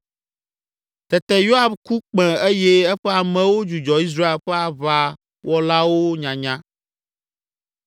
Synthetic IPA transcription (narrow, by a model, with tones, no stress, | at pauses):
t̪ɛ˨t̪ɛ˦jo˦a˨bku˦k͡pɛ̃˨e˦jɛ˦ɛ˦ɸɛ˦a˨mɛ̃˨wo˦d͡ʒu˨d͡ʒɔ˨i˦s̬ɾa˦e˨lɸɛ˦a˨βa˦ | wɔ˦la˦wo˦ɲã˨ɲã˦